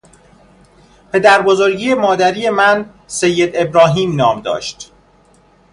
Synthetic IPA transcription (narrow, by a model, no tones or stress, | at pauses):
pʰe̞d̪æɾbozoɾɟiːjemɒːd̪æɾiːje̞mæn | se̞jːed̪e̞bɾɒːɦiːmnɒːmd̪ɒ̰ːʃt̪